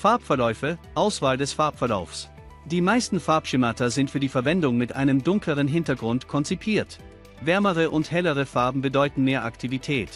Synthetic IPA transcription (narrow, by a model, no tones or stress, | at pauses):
faɐpfɛɐlɔʏfəʔaʊsv̥aːldɛsfaɐpfɛɐla̰ʊfs | d̥iːmaɪstn̩faɐpʃɪmatɐzɪntfyːɐdiːfɛɐvɛndʊŋmɪtʔa̰ɪnəmdʊŋkləʁənɦɪntɐɡʁʊntkʰɔnt͡sipʰiːɐt | vɛɐməʁəʔʊnthɛləʁ̞əfaɐbm̩bədɔʏtn̩meːɐʔaktʰivitʰɛːt